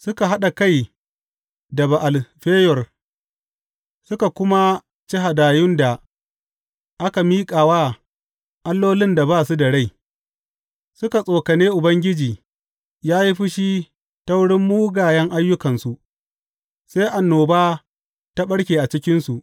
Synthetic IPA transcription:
sʊ˦ka˨ɦa˦ɗa˨ka˦˨j | dɐ˨ba˨ʔa˨lɸeː˦jɔ˨r | sʊ˦ka˨kʷʊ˦ma˦ | t͡ʃi˦ɦa˨daː˨jʊ˦nda˨ | ʔa˦ka˨miː˦kʼaː˨waː˦ | ʔa˦lːoː˦lɪ˦nda˨baː˦˨su˦da˨ɽa˦˨j | sʊ˦ka˨sʼoː˨kɐ˨neː˦ʔʊ˨bɐ˦ŋɡʲɪ˦d͡ʒiː˨ | jaː˦ji˦ɸɪ˦ʃi˦ | ta˦wʊ˦ɽɪ˦mːuː˦ɡaː˨jɛ˦ŋʔa˦jːʊ˦kɐ˨nsu˨ʔ | sa˦ʔa˨nːoː˨baː˦ | ta˦ɓɐ˦ɽkʲeː˨ʔa˨t͡ʃɪ˦kʲɪ˦nsu˨ʔ

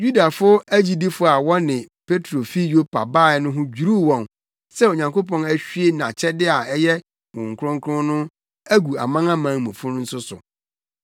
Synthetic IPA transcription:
ju˦da˨fʊ˦æ˦d͡ʑi˦di˦fʊ˦a˨wɔ˦nɪ̃˨ | pʰe˦tʰɾo˨fi˦jo˦pʰa̰˨baː˦˨˦nʊ̃˦ɦʊ̃˦d͡ʑᶣu˨ɾu˦wɔ̃˨n | sɛ˦o˨ɲã˨ŋko˦pɔ̃˨næ˦ɕᶣɥe˦nã˨t͡ɕʰɛ˦dɪ˦a˨ɛ˦jɛ˦ | wʊ̃˨ŋ̩˨kʰʊ˦ɾʊ̃˦ŋ˦kʰʊ̃˦nʊ̃˦ | æ˦ɡu˨a̰˨mã˦ŋã˦mã˨˦ŋmũ˨fʊ̃˦nʊ̃˦n̩˦sʊ˦sʊ̰˨

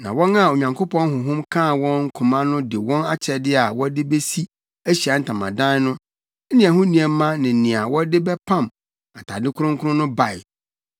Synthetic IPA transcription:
nã˨wɔ̃˦na˦˨o˨ɲã˨ŋkʰo˦pʰɔ̃˦n˦ɦʊ̃˨ɦʊ̃˦mkʰã˦˨wɔ̃˦nŋ̩˦kʰũ˨mã˦nʊ̃˦dɪ˨wɔ̃˦na˦t͡ɕʰɛ˨dɪ˦a˨wɔ˦dɪ˦be˦si˦ | æ˦ɕi˨a˨n̩˨tʰã˨mã˨dã˦nʊ̃˦ | nĩ˦ã˨ɦʊ̃˦nĩ˨ɛ˨m˦mã˦nɪ̃˨nĩ˨a˨wɔ˦dɪ˦bɛ˦pʰã˦m | a˨tʰa˨dɪ̃˦kʰʊ˦ɾʊ̃˦ŋkʰʊ˦ɾʊ̃˦nʊ̃˦ba˨j

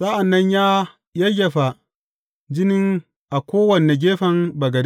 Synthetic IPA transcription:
sa˦ʔa˨nːɐ˦ɲjaː˦ | jɐ˦jʲɐ˨ɸa˨ | d͡ʒɪ˦nɪ˦ŋ | ʔa˨kʷoː˦wɐ˨nːe˨ɡʲeː˦ɸɐ˨mbɐ˨ɡɐ˨d

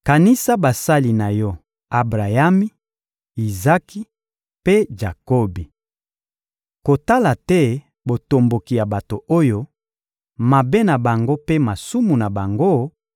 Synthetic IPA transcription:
ka˨ni˦sa˦ba˨sa˦li˨na˨jɔ˦ | a˨bʁa˨ja˦mi˦ | i˨za˦ki˦ | pe˦ʒa˨ko˦bi˨ | ko˨ta˦la˨tɛ˦ | bo˨to˨mbo˨ki˨ja˨ba˨to˨o˦jo˦ | ma˨be˦na˨ba˨ŋɡo˦pe˦ma˨su˦mu˨na˨ba˨ŋɡo˦

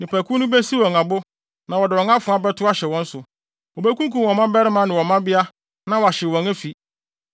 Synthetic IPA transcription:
nɪ̃˨pʰæ˨kʰu˦nʊ̃˦bɛ˦si˦wɔ˨ŋã˨bʊ˦ | nã˨wɔ˨dɪ˨wɔ̃˨ŋã˦fʊ˨˦a˦bɛ˦tʰʊ˦a˦ɕɛ˨wɔ̃˦n̩˦sʊ˨ | wɔ˨bɛ˦kũ˦ŋkũ˨wɔ̃˨mã˦bɛ˦ɾɪ˦mã˨˦nɪ̃˨wɔ̃˨mã˦bɪ˦a˦ | nã˨wɔ˨a˨ɕɪ˨wɔ̃˨næ˦fi˨

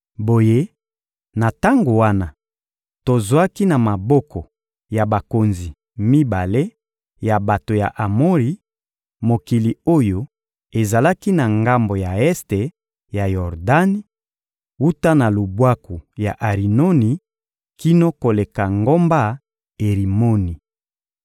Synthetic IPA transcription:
bo˨je˦ | na˨ta˦ŋɡo˨wa˦na˨ | to˨za˦ki˦na˨ma˨bɔ˦kɔ˨ | ja˨ba˨ko˨nzi˨ | mi˦ba˨le˦ | ja˨ba˨to˨ja˨ʔa˨mo˦ʁi˨ | mo˨ki˨li˨o˦jo˦ | e˨za˨la˦ki˦na˨ŋɡa˦mbo˨ja˨ɛ˦ste˨ | ja˨jɔ˨ʁda˦ni˦ | u˦ta˦na˨lo˨bwa˦ku˨ja˨ʔa˨ʁi˨no˦ni˨ | ki˦no˦ko˨le˨ka˨ŋɡo˦mba˦ | e˨ʁi˨mo˦ni˨

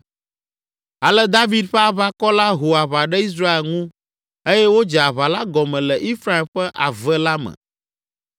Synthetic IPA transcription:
a˨lɛ˦d̪a˦vi˨d̪ɸɛ˦a˦βa˦kɔ˦la˦ɦo˨a˨βa˨ɖɛ˦i˦s̬ɾa˦e˨lŋũ˦ | e˦jɛ˦wo˦d͡ʒɛ˨a˨βa˨la˦ɡɔ˨mɛ̃˨lɛ˨ʔi˦fɾa˦ɛ˨mɸɛ˦ʔa˨vɛ˦la˦mɛ̰̃˨

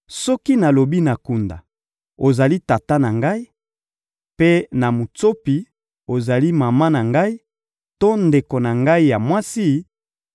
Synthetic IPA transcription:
sɔ˦ki˦na˨lo˨bi˦na˨ku˨nda̰˨ | o˨za˨li˦ta˨ta˦na˨ŋɡa˦i˦ | pe˦na˨mu˨to˦pi˨ | o˨za˨li˦ma˨ma˦na˨ŋɡa˦i˦ | to˦nde˨ko˨na˨ŋɡa˦i˦ja˨mwa˦si˦

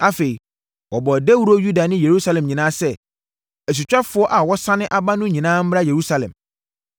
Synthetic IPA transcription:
a˦fe˨i˨ | wɔ˨bɔ˨dɛ˦wu˦ɾo˦ju˦da˨nɪ̃˦je˨ɾu˦sa˦lɛ̃˨mɲĩ˨nãː˦sɛ˦ | æ˨s̬u˨t͡ɕᶣa˦fʊ˦ɔ˦ʔa˨wɔ˦sã˦nɪ̃˦ʔa˨ba˦nʊ̃˦ɲĩ˨nãː˦m̩˦m˦ɾa˦je˨ɾu˦sa˦lɛ̰̃˨m

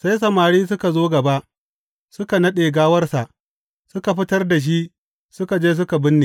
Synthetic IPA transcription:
sa˦js̬ɐ˨maː˨ɽiː˦s̬ʊ˦ka˨zoː˦ɡɐ˨ba˦ʔ | sʊ˦ka˨nɐ˦ɗeː˨ɡaː˦wɐ˦rsa˨ʔ | sʊ˦ka˨ɸɪ˦tɐ˦rda˨ʃ̬i˦ʔ | sʊ˦ka˨d͡ʒeː˦s̬ʊ˦ka˨bɪ˦nːeː˨

